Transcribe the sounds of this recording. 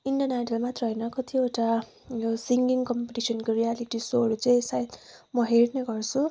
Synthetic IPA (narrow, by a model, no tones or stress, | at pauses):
iɳɖʌnaʈʌlmat̪rʌɦʌjnʌkʌt̪ʰieʈa | josiŋɡiŋkʌmpeʈisʌnkorijaliʈisoɾut͡saĩsajt̪mʌɦeɽneɡʌrt͡sʰu